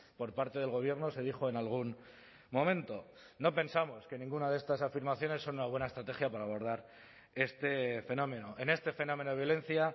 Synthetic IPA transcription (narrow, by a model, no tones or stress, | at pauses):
po̞ɾpaɾt̪e̞ð̞e̞lɣo̞β̞je̞ɾno̞se̞ð̞ixo̞e̞nalɣ̞un | mõ̞mẽ̞nt̪o̞ | no̞pe̞nsamo̞ske̞nĩŋɡunaðe̞st̪asafiɾmaθjone̞sːo̞nunaβwe̞naest̪ɾat̪e̞xjapaɾaːβ̞o̞ɾð̞aɾ | e̞st̪e̞fe̞nõ̞mẽ̞no̞ʔe̞ne̞st̪e̞fe̞no̞me̞noejolẽ̞nθja